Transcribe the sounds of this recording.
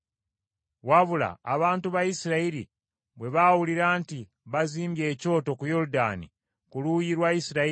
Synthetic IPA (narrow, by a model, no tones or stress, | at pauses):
waβula̰ːβaːntuβajisiɾaiɾḭ | βwe̞βawuliɾaːnti | βaziːmbje̞ːco̞ːto̞kujo̞ɾuda̰nḭ | kulujiɾwajisiɾai